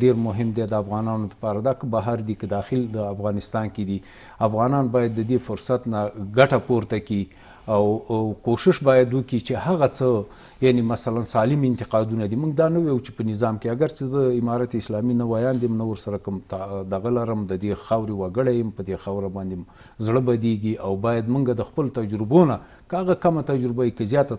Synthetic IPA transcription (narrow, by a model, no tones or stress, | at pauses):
eɾmʊɦɪmd̪ed̪əafɣɑnɑnod̪əpɑɾad̪ɑxəbaɦaɾd̪ikəd̪ɑxɪld̪əafɣɑnɪst̪ɑnked̪i | afɣɑnɑnbɑjad̪ːəd̪efʊɾsat̪naɡaʈapoɾt̪aki | awkoʃɪʃbɑjad̪wəkit͡ʃehaɣat͡sə | janemasalansɑlɪmɪnt̪ɪqɑd̪unad̪imuŋɡd̪ɑnawejut͡ʃe̥pənɪzɑmkeaɡaɾt͡ʃezəɪmɑɾat̪eɪslɑminawajɑnd̪imnawəɾsaɾakəmt̪d̪aɣalaɾəmd̪əd̪exawɾewaɡəɽajəmpəd̪exawɾabɑnd̪em | zɽəbad̪eɡiʔawbɑjad̪muŋɡad̪əxpəlot̪ad͡ʒɾʊbona | kəhaɣakamat̪ad͡ʒɾɪbaikəzjɑt̪a